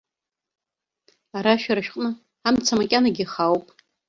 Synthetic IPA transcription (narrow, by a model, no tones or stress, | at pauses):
aɾaʃᶣaɾaʃᶣqʼnɨ | amt͡sʰamakʲʼanaɡʲiχawpʼ